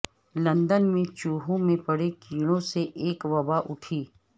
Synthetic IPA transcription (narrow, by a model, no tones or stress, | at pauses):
lɐ̃nd̪ənmẽt͡ʃuːɦõmẽpɐɽekiːɽ̃õseʔeːkʋɐbaʔʊʈʰiː